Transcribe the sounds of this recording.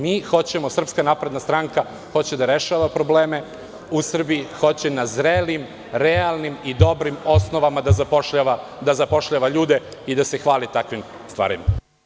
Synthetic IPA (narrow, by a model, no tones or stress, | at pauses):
miːxo̞t͡ɕe̞mo̞sr̩pskanaːpɾe̞d̪nast̪ɾaŋka | xo̞t͡ɕe̞d̪aɾe̞ʃaʋapɾo̞bleːme̞ | usr̩bijixo̞t͡ɕenazɾelim | ɾealˠnimid̪o̞bɾimo̞snoʋamad̪azapoʃaʋa | d̪azapo̞ʃʎaʋaʎuːd̪eid̪ase̞xʋaːlit̪akʋim | st̪ʋa̰ːɾḭma